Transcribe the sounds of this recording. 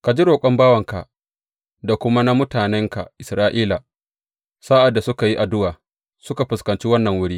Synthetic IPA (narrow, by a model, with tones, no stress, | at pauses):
ka˨d͡ʒi˦ɾoː˨kʷʼɔ˦mbaː˦wɐ˨ŋka̰˨ | da˨kʷʊ˦ma˦na˦mʊ˦taː˨nɛ˦ŋka̰˨ʔɪ˨sɾaː˦ʔiː˦la˨ | saː˦ʔa˨dːa˨sʊ˦ka˨ji˦ʔa˨dʊ˦waː˨ | sʊ˦ka˨ɸɪ˨skɐ˨nt͡ʃi˦wɐ˦nːɐ˨ŋwʊ˦ɽiː˦